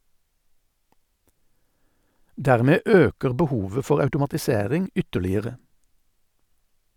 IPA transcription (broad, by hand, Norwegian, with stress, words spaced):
ˈdæːʁmeː ˈøːkəʁ bəˈhuːʋə ˈfɔʁ ɑʉtʊmɑtɪˈseːʁɪŋ ˈʏtəlɪəʁə